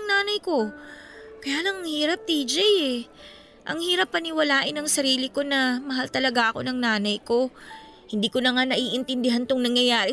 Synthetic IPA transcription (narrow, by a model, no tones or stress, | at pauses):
ŋnaːnɐjko̞ | kɐjaːlɐŋɐŋhiːɾɐp̚t̪iːd͡ʒɛjɛ | ʔɐŋhiːɾɐpːɐnɪwɐlaːʔɪnɐŋsɐɾiːlɪko̞nɐmɐɦalt̪ɐlɐɡaʔɐko̞̰nɐŋnaːnɐjko̞ | hɪnd̪iːko̞nɐŋanɐʔiːʔɪnt̪ɪnd̪ɪɦant̪oŋnɐŋjɐjaːɾɪ